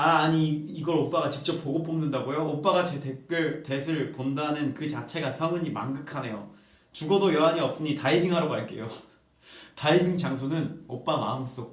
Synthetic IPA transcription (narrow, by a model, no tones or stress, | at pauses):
aːɲiːɡʌɾop͈aɡat͡ɕik̚t͡ɕ͈ʌpːoɡop͈omnɯndaɡojoːp͈aɡat͡ɕetʰek͈ɯɭte̞s̬ʰɯɭpondanɯnkɯt͡ɕat͡ɕʰe̞ɡasʰʌŋɯɲima̰nɡɯkʰane̞jo̰ | t͡ɕuɡʌdojʌaɲiʌp̚s͈ɯɲitaibiŋɦaɾoɡaɭk͈e̞̰jo | taibʱiŋt͡ɕaŋsʰonɯnʌp͈ama̰ɯms͈ok̚